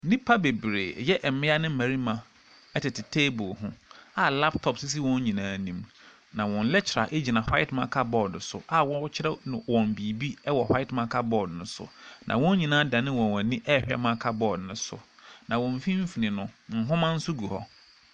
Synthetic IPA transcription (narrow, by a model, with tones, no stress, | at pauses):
nĩ˦pʰa˦be˨bɾḛː˨jɛ˦ʔɛ˨mɪ̃˦a˦nɪ̃˦mæ̃˨ɾi˦mã˨ | ɛ˦tɪ˨tɪ˨tʰeː˦bʊ˨hʊ̃˦a˦la˦ptʰɔ˨psɪ˦s̬i˦wɔ̃˦ɲ˦ɲĩ˨nãː˨˦nĩ˦m | nã˨wɔ̃˨n̩˦lɛ˦t͡ɕʰɪ˨ɾa̰˨ʔe˦d͡ʑi˨nã˨hwa˦ɪ˦tmã̰˨kʰa˦bɔ˦˨dn̩˨sʊ̰˨ʔa˦wɔ̃˦wɔ˦t͡ɕʰɪ˦ɾɛ˦nʊ̃˨wɔ̃˨m˨bi˨bi˦wɔ˨hwa˦ɪ˦tmã˨˦˨kʰa˦bɔ˦˨dnʊ̃˨˦sʊ̰˨nʔã̰˨wɔ̃˦ɲ˦ɲĩ˨nãː˦da˨nɪ̃˦wɔ̃˨wɔ̃˨nĩ˦ʔɛ˦˨hᶣa̰˦mã˦kʰa˦bɔ˦˨dnʊ̃˦sʊ̰˨nã˨wɔ̃˨m˨fĩ˦m̩˦fi˨nɪ̃˨nʊ̃˨ŋ̩˨ɦʊ̃˦mã˦n̩˦sʊ˦ɡu˨hɔ̰˦